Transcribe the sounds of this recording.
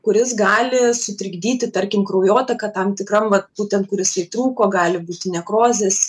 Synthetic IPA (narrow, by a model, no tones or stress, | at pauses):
kʊɾʲɪs̬ɡɑːlʲɪsʊt̪ʲɾʲɪɡd̪ʲiːt̪ʲɪt̪ɐɾʲkʲɪmkɾɐʊjoːt̪ʲɐkɐt̪ɐmt̪ʲɪkrɐmʋɐt̪̚buːt̪ʲɛnt̪̚kʊɾʲɪsʲɐɪt̪ɾuːkoːɡɑːlʲɪbuːt̪ʲɪnʲɛkroːzʲes